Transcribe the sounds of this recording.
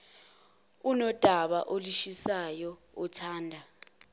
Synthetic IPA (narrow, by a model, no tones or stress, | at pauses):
unɔd̥ʱaɓa̰ʔoliʃisajɔ | utʰaːndʱa